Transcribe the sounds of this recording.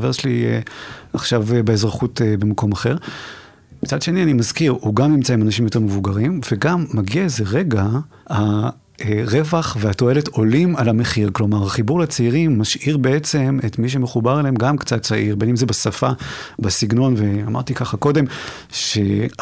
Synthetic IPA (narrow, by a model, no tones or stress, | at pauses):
veʁʃeliɛ̰aχʃavbeezʁaχutebemako̞maχe̞ʁ | mit͡sadʃe̞nianimazkiʁhuɡamnimt͡saimanaʃ̬imjote̞ʁmevuɡaʁimveɡamːaɡiaezeʁe̞ɡaha | ʁevaχveato̞e̞leto̞limalame̞χiʁklo̞maʁaχibuʁlat͡seiʁimːaʃiʁbe̞et͡se̞metmiʃ̬emeχubaʁeleemɡamkt͡satt͡saʔiʁbe̞nimzebasafabasiɡno̞nveama̰ʁt̪ikaχako̞de̞m | ʃe